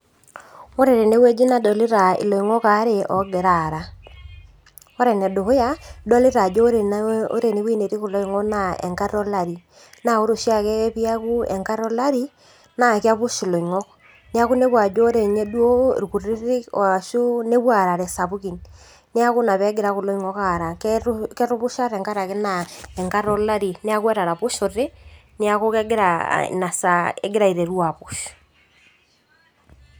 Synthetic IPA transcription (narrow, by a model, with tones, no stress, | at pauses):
ɔ˦ɾe˨ɾe˨ne˦we˦d͡ʒi˦na˨dɔ˨li˦ɾa˨ḭ˨lo˨i˨ŋɔ˦ka˨˦ɾe˨ʔɔ˨ɡe˨ɾa˨ɾa˨ | ɔ˦ɾɛ˨nɛ˨do˨ho˦ja˦dɔ˦li˦ɾa˨d͡ʒo˦ɾo̰˦ɾe˨ne˦wi˦ne˨ɾi˦ku˨lo˦i˨ŋɔ˦kna˦˨ɛ̰˨ŋka˦ɾɔ˦la˦˨ɾi˨ | na˨o˦ɾo˨ʃi˦a˦kɛ˦pi˦a˦ku˦ɛ̰˨ŋka˦ɾɔ˦la˦ɾi˦ | na˦˨ki˦a˦βu˦ʃi˨lo˨i˨ŋɔ˦k | ne˦a˦kʊ˦ne˦bwa˨d͡ʒo˦ɾe˨ɲe˦dwo̰˦˨ɾu˨ku˨rɪ˦ɾɪ˦o̰˨a˨ʃu˦ne˦bwa˨ɾa˨ɾɛ˨sa˨pu˦ki˨n | ne˦a˦kʊ˦na˨βɛ˦ɡɪ˦ɾa˦ku˨lo˦i˦ŋɔ˦ka˨ɾa˨kkɛ˦ɾʊ˦pʊ˦ʃa˦ɾɛ˨ŋka˦ɾa˨kɪ˦na˨ɛ˨ŋka˦ɾɔ˦la˦ɾi˨ne˦a˦kwɛ˦ɾa˨ɾa˨pʊ˦ʃo˨rɪ˦ne˦a˦ko˦kɛ˦ɡɪ˦ɾa̰˨na˨sa˨ɛ̰˦ɡɪ˦ɾa˨i˨ɾe˨ɾu˦a˨pu˨˦ʃ